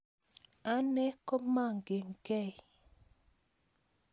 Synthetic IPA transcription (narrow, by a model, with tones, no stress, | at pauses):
a˦nɛ˦kɔ˦ma˦˨ŋɡe˨ŋ˨kɛ˦˨j